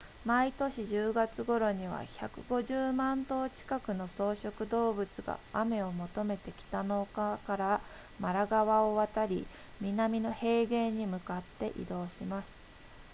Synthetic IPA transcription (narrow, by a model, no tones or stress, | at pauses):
mait̪o̞ɕiʑɨːɡat͡sɨɡo̞ɾo̞ɲ̟iβa̰ça̰kɯ̟ɡo̞ʑɨːmãnt̪o̞ːt͡ɕi̥kakɯ̟no̞so̞ːɕo̞kɯ̟d̪o̞ːbɯ̟t͡sɨɡa̰ame̞o̞mo̞t̪o̞me̞t̪e̞kʲi̥t̪ano̞kakaɾa | maɾaɡaβao̞βat̪aɾʲḭ | mʲinamʲino̞he̞ːɡe̞ɲ̟imɯ̟kat̪ːe̞ʔḭd̪o̞ːɕimasɨ̥